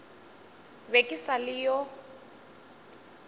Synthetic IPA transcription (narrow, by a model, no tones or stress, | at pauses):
bekʼisalɪjɔ